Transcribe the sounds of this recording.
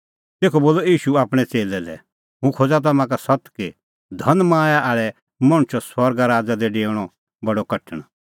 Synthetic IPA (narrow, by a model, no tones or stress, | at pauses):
t̪eːkʰɔboːlɔiːʃuaːpɽ̃ɛt͡seːlɛlɛ̰ | ɦũkʰoːd͡zat̪̬ɐmãkasɐt̪ki | d̪ʱɐnmãːjaʔaːɭɛ | mɐ̃ɽ̃ʊt͡ʃɔsɐɾɡaɾaːd͡zad̪ɛɖeːɽ̃ɔ | bɐɽɔkɐʈʰːəɽ̃